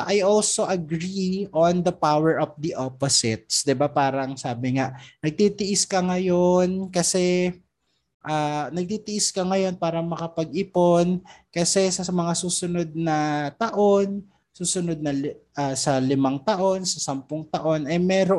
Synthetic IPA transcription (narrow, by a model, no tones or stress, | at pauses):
ʔajʔolso̞ʔɐɡɾiʔond̪ɐpawɛɹʔɔfd̪iʔoposɪt̪̚sd̪ɪbapaːɾɐŋsaːbɪŋaʔnɐɡ̚t̪it̪ɪʔɪskɐŋɐjonkɐsɛ | ʔaːnɐɡ̚t̪iːt̪ɪʔɪskɐŋɐjo̞npaːɾɐmɐkɐpɐɡʔɪpo̞nkɐsɛsɐmɐŋasuːsʊno̞d̪̚nɐt̪ɐʔo̞n | suːsʊnod̪̚nɐlaːsɐlɪmaŋt̪ɐʔo̞nsɐsɐmpʊŋt̪ɐʔo̞nʔɐjmɛːɾo